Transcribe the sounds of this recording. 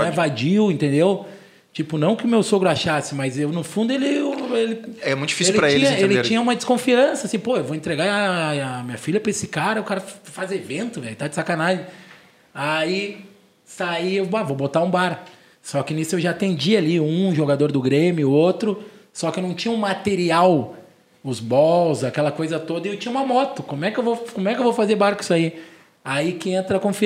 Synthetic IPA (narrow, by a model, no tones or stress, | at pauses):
evad͡ʒiwẽnt̪ẽnd̪ew | t͡ʃipʊnɐ̃w̃kɪʊmewsoɡɾʊaʃasɪmɐzewnʊfũnd̪ʊelɪelɪɛmũt̪ʊ̥d͡ʒifiselɪupɾɐt͡ʃeĩɲɐ̃elɪɾt͡ʃĩɲɐ̃ũmɐd͡ʒɪskõfiɐ̃sɐasĩpoewvoẽnt̪ɾeɡaɾamĩɲɐfilʎɐpɾɐesɪkaɾɐʊkaɾɐfazevẽnt̪ʊvɛjt̪ad͡ʒɪsakanaʒẽ | ai | saiewbavobot̪aũbaɾ | sɔkɪnisʊewʒaːt̪ẽnd͡ʒialiũʒoɡad̪oɾd̪ʊɡɾẽmʲjʊot̪ɾʊsɔkɪewnɐ̃w̃t͡ʃĩɲɐũmat̪eɾiaw | ʊzbɔwzakɛlɐkojzɐt̪od̪ɐɪewt͡ʃĩɲɐũmɐmɔt̪ʊkõmʊɛkɪewvowkõmʊɛkɪewvowfazebaɾkʊi̥sai | aikɪẽnt̪ɾɐkõfi